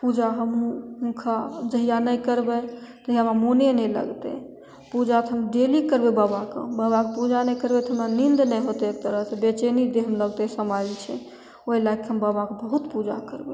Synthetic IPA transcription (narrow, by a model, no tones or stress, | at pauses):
pud͡ʒaɦəmɦũɦũkʰad͡ʒəɦijanəjkəɾbɛt̪əɦijamamonenɛlə̰ɡt̪ḛ | pud͡ʒat̪ʰɦəmɖelikəɾbebabakḛbabakepud͡ʒanɛjkəɾbet̪ɔɦəmɾanind̪nɛjɦot̪eek̚t̪əɾəɦsebet͡ʃenid̪eɦəmləɡt̪esəmad͡ʒt͡ʃʰɛ̰ | oilaɡ̚keɦəmbabakebəɦut̪pud͡ʒa̰kəɾbe